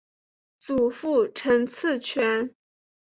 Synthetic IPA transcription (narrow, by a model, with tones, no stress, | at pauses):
t͡su˨˩fu˥˩ʈ͡ʂʰə˧˥ŋt͡s̩ʰ˥˩t͡ɕʰɥɛ˧˥n